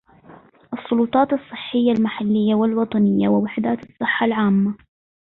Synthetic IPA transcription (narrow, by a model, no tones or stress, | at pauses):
ʔɑsˤːʊlʊt̪ˤɑːt̪ɨsˤːɨħːɪjːalmaħalːɪjːawɪlwɑt̪ˤɑnɪjːawɪwɪħd̪aːt̪ɨsˤːɨħːalʕaːmːa